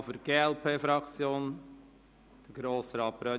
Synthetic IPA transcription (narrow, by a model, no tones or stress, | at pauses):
fəɾɡ̥eːɛlpʰeːfɾɑkt͡sjoːn | d̥əɡɾoːsəɾɑːpɾœ